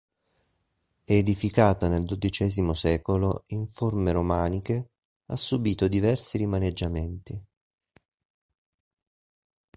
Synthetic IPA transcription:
ɛːd̪ifikaːt̪aneld̪od̪it͡ʃɛːzimosɛːkoloiɱformeɾomaːnike | a̰sːubiːt̪od̪ivɛrsiɾimaned͡ʒːament̪i

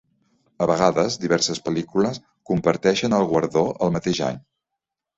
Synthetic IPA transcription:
əβəɣ̞aðəzd̪iβɛɾsəspəlikuləs | kumpəɾt̪ɛʃənəlˠɣwəɾðoʔəlˠmət̪eʒa̰ɲ

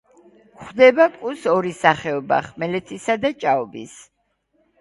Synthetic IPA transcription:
χd̪ɛbakʼusɔɾisaχɛɔba̰χmɛlɛt̪ʰisad̪at͡ʃʼaɔbḭs

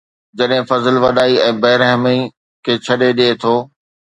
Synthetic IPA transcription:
d͡ʑɐɗɦɪ̃fɐzəlʋɐɗaːiɛ̃ːbɐɦɪɾəɦɪmi | kʰeːt͡ɕʰɐɗeɗeet̪ʰoː

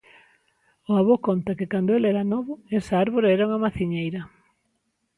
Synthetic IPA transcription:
ʊaβokont̪ɐkɪkand̪ʊelɛɾanɔβʊɛsaaɾβoɾaɛɾauŋɐmaθiɲejɾɐ

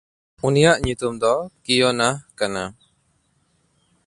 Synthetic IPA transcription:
unijaʔɲut̪umd̪ɔkijɔnahkana̰

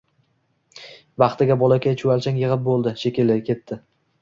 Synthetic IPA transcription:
bɑχt̪ɪɡʲabɒlˠakʲajt͡ʃʰʊalt͡ʃʰaŋjɨʁɨp̚bolˠd̪ɪʃekʲɪlɪkʲʰe̞t̪ːɪ

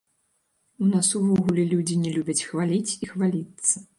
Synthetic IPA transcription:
unasuvɔɣulʲɛlʲud͡zʲinʲɛlʲubʲɐt͡sʲxvalʲit͡sʲixvalʲit̪sːɐ

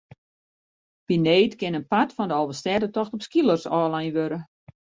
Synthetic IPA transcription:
pineːtkɪnənpatfɔndəɔlˠvəstɛdətɔxtɔpskilˠərsɔːlajnʋøɾə

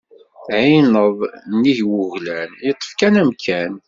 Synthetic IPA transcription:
θʕinəðˤnːiʝwʊʝlænjət̪ˤːə̥fkænæmkʰæn

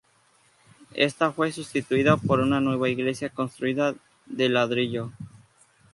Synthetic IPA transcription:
e̞̰st̪afwe̞sust̪it̪uiðapo̞ɾunanwe̞β̞aiɣle̞sjako̞nst̪ɾuiða | ðelaðɾiʎo

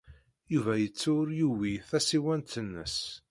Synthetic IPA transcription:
juvæjət͡sːʊɾjuwiθæsiwænt̪ənːə̰s

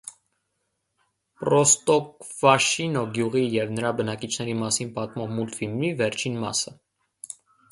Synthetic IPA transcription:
pɾɔst̪ɔkvɑʃinɔɡjuʁijɛvnəɾɑbənɑkit͡ʃʰnɛɾimɑsinpɑt̪mɔvmult̪filmivɛɾt͡ʃʰinmɑ̰sə

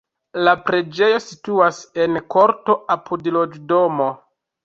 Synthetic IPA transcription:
lapɾe̞d͡ʒe̞jo̞situase̞nko̞ɾto̞ʔapʰudlo̞d͡ʒdo̞mo̞

